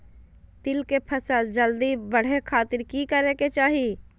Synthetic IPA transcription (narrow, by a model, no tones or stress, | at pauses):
t̪ɪlkepʰɐsəld͡ʒɐld̪ibɐɽ̤ekʰaːt̪ɪɾkikɐɾeːket͡ʃaːɦie